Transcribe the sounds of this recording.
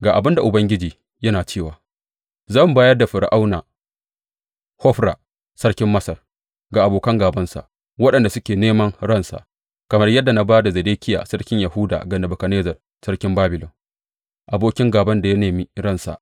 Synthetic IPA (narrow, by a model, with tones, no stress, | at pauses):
ɡaː˨ʔa˨bɪ˦nda˨ʔʊ˨bɐ˦ŋɡʲɪ˦d͡ʒiː˨ | jɐ˦naː˨t͡ʃeː˦˨waː˨ | zɐ˦˨m˨baː˦jɐ˦rda˨ɸɪ˨ɽʔa˦wnaː˨ | hɔ˦ɸɾa̰ː˨ | sɐ˦rkʲɪ˦mːɐ˦sɐ˨r | ɡaː˨ʔa˨boː˨kɐ˦ŋɡaː˨bɐ˦nsa̰˨ʔ | wɐ˦ɗɐ˨nda˨sʊ˦kʲeː˨neː˦mɐ˦ŋɽɐ˦˨nsa̰˨ʔ | kɐ˨mɐ˦rjɐ˦dːa˨na˦baː˦da˨zɐ˨deː˦kʲɪ˦ja̰ː˨sɐ˦rkʲɪ˦ɲja˨hʊː˦da̰ː˨ɡɐ˨nɐ˨bʊ˨kɐ˨neː˦zɐ˨r | sɐ˦rkʲɪ˦mbaː˦bɪ˨lɔ˨m | ʔa˨boː˦kʲɪ˦ŋɡaː˨bɐ˦nda˨ja˦neː˨mi˦ɾɐ˦nsa̰˨ʔ